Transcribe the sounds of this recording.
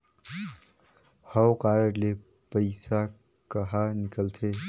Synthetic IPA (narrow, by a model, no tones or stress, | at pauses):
həwkaɾəɾle | pəɪsa | kəɦanɪkəlt̪ʰe